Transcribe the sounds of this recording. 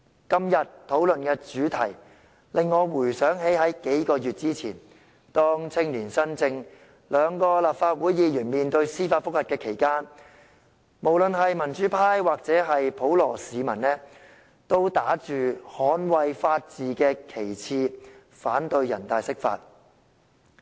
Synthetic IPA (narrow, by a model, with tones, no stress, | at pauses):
kɐ˥mjɐ˨t̚t̪ʰːo˨˥wlɵ˨nkɛː˧t͡ʃyː˨˥t̪ʰɐ˨˩j | lɪ˨ŋːɔː˨˧wuː˨˩jsœː˨˥ŋɦe˨˥jɦɐ˨˥jke˨˥jkɔː˧jyː˨t̚t͡siː˥t͡sʰḭː˨˩n | t̪ɔː˥ŋt͡sʰɪ˥ŋliː˨˩nsɐ˥nt͡sɪ˧ŋ | lœː˨˧ŋkɔː˧laː˨p̚faː˧t̚wuː˨˥jːiː˨˧jyː˨˩nmiː˨nt̪ɵ˧ɥsiː˥faː˧t̚fʊ˥k̚hɐ˨t̚kɛː˧kʰe˨˩jkaː˥n | mo˨˩wlɵ˨nɦɐ˨jmɐ˨˩nt͡ʃyː˨˥pʰaː˥jwaː˨k̚t͡sɛː˨˥ɦɐ˨jpʰo˨˥wlɔː˨˩siː˨˧mɐ˨˩nnɛː˥ | t̪o˥wt̪aː˨˥t͡ʃyː˨hɔː˨˥nwɐ˨˧jfaː˧t̚t͡siː˨kɛː˧kʰe˨˩jt͡sʰiː˧ | faː˨˥nt̪ɵ˧ɥjɐ˨˩nt̪aː˨jsɪ˥k̚fa̰ː˧t̚